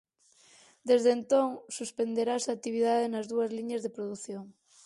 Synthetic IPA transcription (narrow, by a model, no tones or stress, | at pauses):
d̪ezðent̪oŋsuspend̪eɾasat̪iβ̞iðaðenɐzðuɐzliɲɐzðepɾoðuθjoŋ